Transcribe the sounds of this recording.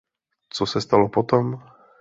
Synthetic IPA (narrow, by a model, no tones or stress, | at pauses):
t͡sɔsɛst̪alopot̪ɔm